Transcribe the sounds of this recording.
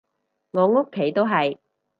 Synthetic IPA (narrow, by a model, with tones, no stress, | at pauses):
ŋɔː˨˧ŋo˥kʰːe˨˥jt̪o˥wɦɐ˨j